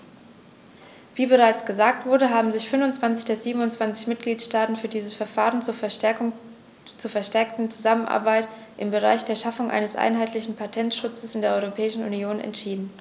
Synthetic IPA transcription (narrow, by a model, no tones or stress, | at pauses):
v̥iːbəʁaɪt͡sɡ̥əzaːk̚tv̥ʊɐdəɦaːbm̩zɪçfʏnvʊnt͡sv̥ant͡sɪçd̥eːɐziːbm̩ʊnt͡sv̥ant͡sɪçmɪt̚ɡ̥liːtʃtaːtn̩fyːɐdiːzəsfɛɐfaːʁ̞ənt͡suːɐ | t͡suːɐfɛɐʃtɛɐk̚tn̩t͡suzamənʔa̰ɐbaɪt | ʔɪmbəʁ̞a̰ɪçd̥eːɐʃafʊŋʔa̰ɪnəsʔa̰ɪnɦaɪtlɪçn̩pʰatʰɛntʃʊt͡səsɪndeːɐʔɔʏʁopʰɛːɪʃn̩ʔṵnjoːnɛ̰ntʃiːdn̩